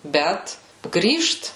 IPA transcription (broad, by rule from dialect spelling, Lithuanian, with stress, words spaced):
ˈbʲɛt ˈɡrʲiːʃt